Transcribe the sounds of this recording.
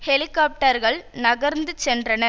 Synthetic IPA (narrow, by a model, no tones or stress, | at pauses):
hɛlɪkːaːp̚ʈɐɾɣɐɭnɐɣɐɾnd̪ɯt͡ʃːɛndrɐnɐ